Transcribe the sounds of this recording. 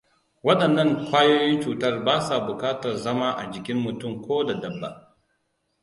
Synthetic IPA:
wɐ˦ɗɐ˨nːɐ˦˨ŋkʷaː˦joː˦jɪ˦nt͡ʃuː˨tɐ˦rbaː˦sa˨bʊ˨kaː˦tɐ˨rzɐ˦ma˦ʔa̰˨d͡ʒɪ˨kʲɪ˦mːʊ˨tʊ˦mkʷoː˦da˨dɐ˨bːa̰˨ʔ

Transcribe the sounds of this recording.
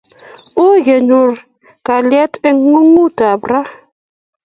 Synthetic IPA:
o˦je˨ɲu˨ɾ | ka˨ljɛ˦te˦ŋː˦u˦ŋu˦ta˨bɾa˦

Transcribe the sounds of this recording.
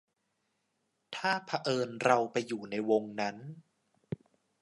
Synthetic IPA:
t̪ʰaː˥˩pʰa˧ʔɤː˧nɾa˧wpa˧jːuː˨˩na˧jwo˧ŋna˦˥n

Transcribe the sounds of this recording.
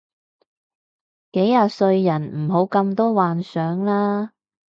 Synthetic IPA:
ke˨˥jːaː˨˧sɵ˧ɥjɐ˨˩nm̩˨˩ɦo˨˧˥wkɐ˧mt̪ɔː˥waː˨nsœː˨˥ŋlaː˥

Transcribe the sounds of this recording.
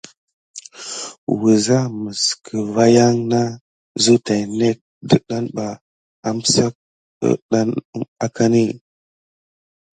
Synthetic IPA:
wi˨za˦mə˨skʰə˨va˦ja˦ŋna˦ | zu˦ta˨ne˦k̚də˦˨ɗa˦nɓa˨ | a˦m˦sa˦ | ə̰˦ɗa˦n˦a˦ka˦ni˦˨

